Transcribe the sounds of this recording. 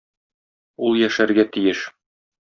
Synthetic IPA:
ulˠjæʃæɾɡæt̪ijɘʃ

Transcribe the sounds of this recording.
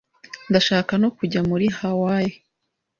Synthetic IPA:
ndaʃaːkano̞kuɟamuɾihawaːje

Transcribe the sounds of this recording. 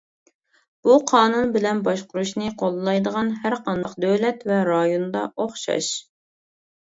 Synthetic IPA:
b̥uqʰɑːnunbɪlɛnbɑʃqʊɾuʃnɨqʰolˠlˠɑjd̪əʁɑnhæɾqʰɑnd̪ɑqd̪øwlɛt̪vɛɾɑjond̪ɑ̰ʔoχʃɑ̰ʃ

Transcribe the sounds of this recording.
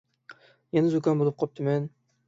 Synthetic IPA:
jɛnɪzukʲɑnbolˠɨp̚qʰɑp̚t̪ʰɨmɛn

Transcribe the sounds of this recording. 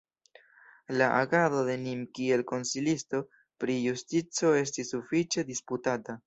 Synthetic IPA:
laʔaɡaðo̞ðe̞nimkie̞lko̞nsilisto̞ | pɾijustit͡so̞e̞s̬tisːufit͡ʃe̞disputata

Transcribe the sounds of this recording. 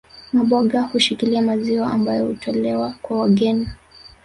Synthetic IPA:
maɓɔɠahuʃikiliamaziwaambajɔhutʰɔlɛwakwawaɠɛni

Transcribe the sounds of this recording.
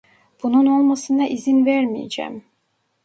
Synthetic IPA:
b̥ununo̞lˠmɑsɯnɑʔizinveɾmijḛd͡ʒæ̰m

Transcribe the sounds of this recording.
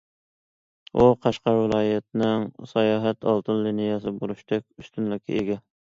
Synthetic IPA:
ʔuqʰɑʃqɑɾwɪlˠɑːjɛt̪nɪŋsɑjɑːɦɛt̪ɑ̰lˠt̪ʰɨnlinijɛsɪbolˠuʃt̪ʰɛk̚ʲyst̪ynlɪkʲʰḭʔeɡʲɛ

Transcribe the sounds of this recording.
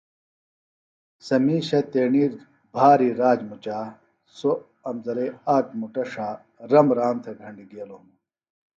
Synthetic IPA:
sɐmiːɕɐt̪eːɳiːɾ | bʱaːɾiɾaːd͡ʑmut͡ɕaː | so | ɐmzɐɾeaːkmuʈɐʂaː | ɾɐmɾaːnt̪ʰeɡʱɐɳɖiɡeːlomu

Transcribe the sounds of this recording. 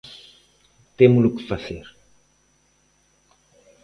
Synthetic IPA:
t̪emulukɨ̥fazeɾ

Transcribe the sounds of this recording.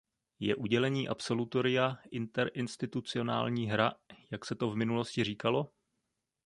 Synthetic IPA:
jɛ̰ʔuɟɛlɛɲiːʔapso̞lut̪o̞ɾɪjaʔɪnt̪ɛɾʔɪnst̪ɪt̪ut͡sɪo̞na̰ːlɲiːɦɾajaksɛt̪o̞vmɪnulo̞scɪr̝iːkalo̞

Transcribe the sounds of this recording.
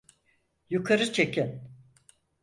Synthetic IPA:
jukʰaɾɯt͡ʃʰekʰɛn

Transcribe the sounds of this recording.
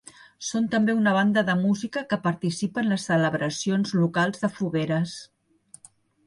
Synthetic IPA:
sont̪əmbeunəβ̞and̪əðəmuzikəkəpəɾt̪isipənləsːələβɾʔəsionzlukalˠzðəfuβeɾəs

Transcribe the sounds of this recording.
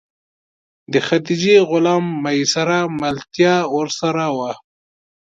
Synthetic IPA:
d̪əxad̪id͡ʒeɣʊlamːajsaɾamalt̪jɑwəɾsaɾawa

